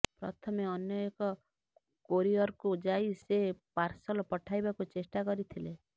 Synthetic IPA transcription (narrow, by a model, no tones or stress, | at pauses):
pɾɔ̰t̪ʰɔmeɔnjɔekɔ | koɾiɔɾkud͡ʒaisepaɾsɔlɔpɔʈʰajbakut͡ʃesʈakɔɾit̪ʰile